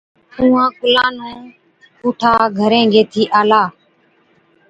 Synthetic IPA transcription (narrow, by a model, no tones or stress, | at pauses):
ũːãːkʊlaːnõː | kuːʈʰaːɡʱəɾẽːɡʱeːt̪ʰiːʔaːlaː